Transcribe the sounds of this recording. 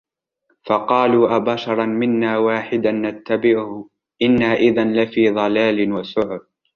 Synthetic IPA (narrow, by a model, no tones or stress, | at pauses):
fɑqɑːluːʔabaʃɑɾˤɑnmɪnːaːwaːħɪd̪anːat̪ːabɪʕʊhʊ | ʔɪnːaːʔɪðanlɪfiːðˤɑlaːlɪnwasʊʕʊɾ̚